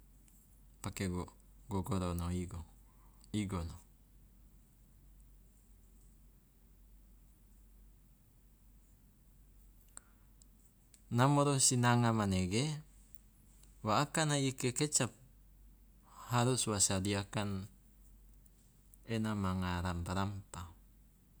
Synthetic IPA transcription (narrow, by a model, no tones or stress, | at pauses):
pakeɡo | ɡoɡoɾonoiɡo | iɡono | namoɾosinaŋamaneɡe | waːkanaikeket͡ʃap̚ | haɾuswasadiakan | enamaŋaɾampaɾampa